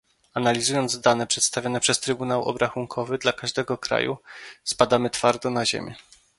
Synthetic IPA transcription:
analʲizujɔnd̪zd̪anɛpʂɛt̪st̪avʲjɔnɛpʂɛst̪ɾɘbunawɔ̰bɾaxuŋkʰɔvɘd̪lakaʐd̪ɛɡɔkɾa̰jṵspad̪amɘt̪faɾd̪ɔnaʑḛmʲjɛ̰

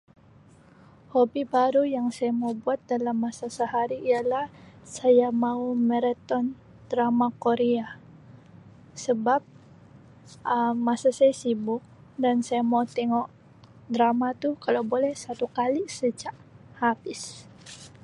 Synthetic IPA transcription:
hobibaɾujaŋsajamaubuat̪̚dalamːasasəɦaɾiːalahsajamaumɛɾɛt̪ɔn | d̥ɾamakoɾea | səbap̚ | əmasasajasibʊk̚ | dansajamaut̪ɛŋɔʔ | dɾamat̪ukalawbolɛhsat̪ukalisət͡ʃaʔhabɪs

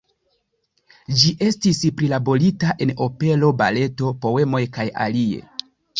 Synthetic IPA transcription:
d͡ʒiʔe̞stispɾilabo̞ɾitaʔe̞no̞pe̞lo̞ba̰le̞to̞po̞e̞mo̞jkaja̰lie̞̰

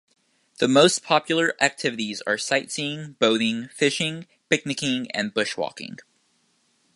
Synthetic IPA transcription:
ðɨmoʊspʰɑpjl̩ˠə˞ʔæk̚tʰɪvɨɾizə̰˞saɪtsĩɪ̃ŋb̥oʊɾɪ̃ŋfɪʃɪ̃ŋ | pɪk̚nɨkɪ̃ŋɨ̰̃nbʊʃwɔ̰kɪ̰̃ŋ

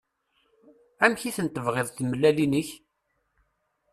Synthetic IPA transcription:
æmçiθənt̪ːəvʁɪðˤθməlːælinəç

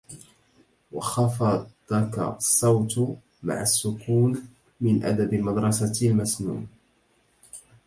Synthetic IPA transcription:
wɑxɑfɑd̪ˤɑka̰sˤːɑwt̪ | ma̰ʕasːʊkuːn | mɪnʔa̰d̪abɪmɑd̪ɾˤɑsalmasnṵːn

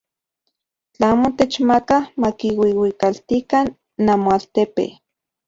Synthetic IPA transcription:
t͡ɬaaːmot̪et͡ʃmakamakiwiwikalt̪ikanː | amoalt̪epḛ

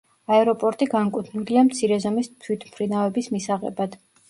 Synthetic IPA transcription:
aɛɾɔpʼɔɾt̪ʼiɡaŋkʼut̪ʰnuliamt̪sʰiɾɛzɔmist̪ʰwit̪ʰmχɾinavɛbismisaʁɛ̰bad̪̥

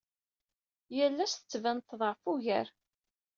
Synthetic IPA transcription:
jəlːæstə̥t͡sːvænt̪ːðˤəʕfuʝəɾ

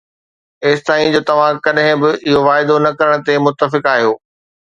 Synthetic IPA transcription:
eːsɪt̪aːĩd͡ʑoːt̪ɐʋ̤ãkɐɗɦɪ̃bɪʔɪɦoʋaːɪd̪onɐkɐɾəɽ̃̆t̪emʊt̪ːəfɪkaːɦijoː

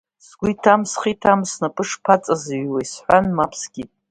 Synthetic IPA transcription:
sɡʷʊitʰamsχitʰamsnapʰʼɨʂpʰat͡sʼazɥwajsħʷanmapʰsɡ̥ʲitʼ

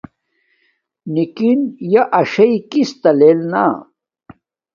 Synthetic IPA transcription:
nikinjɐʔɐʂɐikist̪ɐleːlna̰

